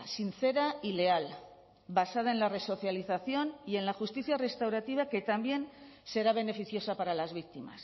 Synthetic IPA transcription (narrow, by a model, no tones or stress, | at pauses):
sinθe̞ɾaile̞al | basað̞aenlare̞so̞θjaliθaθjo̞nie̞nlaxust̪iθjare̞st̪awɾat̪iβ̞ake̞t̪ambje̞n | se̞ɾaβ̞e̞ne̞fiθjo̞sapaɾalazβ̞ik̚t̪ima̰s